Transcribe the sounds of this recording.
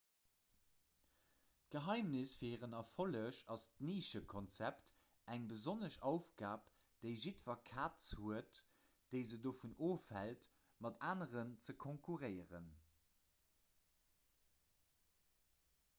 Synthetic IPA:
t̚ɡ̥əɦɑɪmnisfiɐhiːʁənɑfoləʃɑstniːʃəkʰɔnt͡sæpt | æŋbəzonəʃɑʊfɡaːp | d̥əɪʒitfɐkʰaːtt͡shuət | d̥əɪzədoːfunoːfælt | mɑtʰaːnəʁənt͡səkʰoŋkʰuʁɜɪəʁə̰n

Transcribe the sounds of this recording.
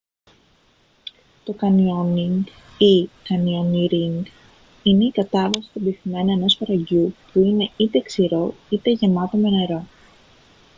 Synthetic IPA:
t̪o̞kɐnioniŋɡ | ikɐnioniɾiŋɡ | ine̞ikɐt̪ɐvɐsi̥st̪ob̪iθime̞noeno̞spɐɾɐʝupuine̞it̪e̞ksiɾo̞it̪e̞ʝe̞mɐt̪o̞me̞ne̞ɾo̞

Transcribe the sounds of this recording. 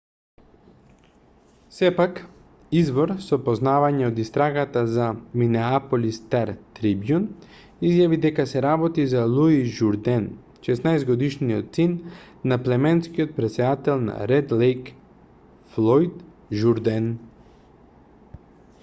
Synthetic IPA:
sɛpak | izvɔɾsɔpɔznavaɲɛod̪ist̪ɾaɡat̪azaminɛapolist̪aɾt̪ɾibjun | izjavid̪ɛkasɛɾabɔt̪izalˠuiʒuɾd̪ɛn | ʃɛsnajzɡɔd̪iʃniɔt̪sinː | aplɛmɛnskiɔt̪̚pɾɛt̪sɛd̪at̪ɛlˠna̰ɾɛd̪lɛjk | flˠɔjt̪ | ʒuɾd̪ɛn

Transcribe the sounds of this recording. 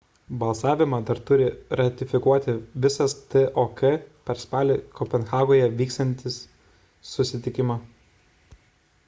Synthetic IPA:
bɐlˠsɑːʋʲɪmɐd̪ɐɾt̪ʊɾʲɪɾɐt̪ʲɪfʲɪkuɔt̪ʲɪʋʲɪsɐst̪ɨʔokɛpʲɛɾspɑːlʲɪkɔpʲɛnxɑːɡoːjɛʋʲiːkst̪ɐnʲt̪ʲɪsː | ʊsʲɪt̪ʲɪkʲɪmɐ

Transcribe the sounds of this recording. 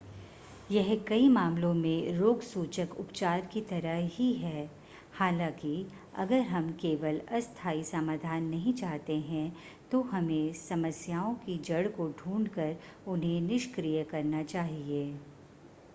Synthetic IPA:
jɛɦkɐimaːmlõmẽɾoːɡsuːt͡ʃəkʊpt͡ʃaːɾkit̪ɐɾəɦiɦɛː | haːlãːki | ɐ̰ɡəɾɦɐmkeːʋəlɐst̪ʰaːisamaːd̪ʱaːnːɐɦĩt͡ʃaːɦt̪eɦɛ̃ | t̪oɦɐmẽsɐməsjaːõkid͡ʒɐɽkoɖʱũːɳɖkəɾ | ʊnɦẽnɪʃkɾijəkɐɾnat͡ʃaːɦieː

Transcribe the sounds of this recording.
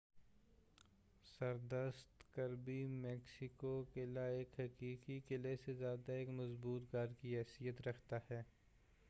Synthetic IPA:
sɐɾd̪əst̪kɐɾbimɛːksɪkokelaeːkɦɐkiːkikelesezjaːd̪aeːkmɐzbuːt̪ɡaːɾkiɦɛːsijət̪ɾɐkʰt̪ahɛː

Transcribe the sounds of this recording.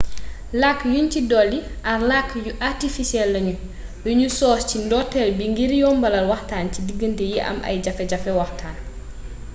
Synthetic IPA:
lakːjuncidɔːlːi | ʔɐrlakːjuʔartifisɛlːɐɲu | juɲusɔːscindɔtːɛlbiŋɡiɾjɔmbɐlɐlwɐxtaːncidiɡːəntɛjiʔɐ̰mʔɐ̰jɟɐfɛɟɐfɛwɐxtʰaːn

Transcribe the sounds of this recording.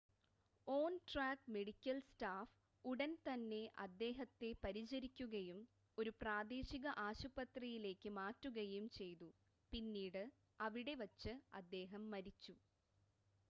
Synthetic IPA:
o̞ːnʈraːkme̞ɽikʲːɐlstaːf | uɽɐnt̪ɐnːe̞ʔɐd̪ːe̞ːɦɐt̪ːe̞pɐɾit͡ɕɐɾikʲːuɣɐjum | o̞ɾupraːd̪eːɕiɣɐʔaːɕupɐt̪rijile̞ːkːɨmaːtruɣɐjumt͡ɕe̞jt̪u | pinːiːɽɨ | ɐʋiɽe̞ʋɐt͡ɕːɨɐ̰d̪ːe̞ːɦɐmːɐɾit͡ɕːu

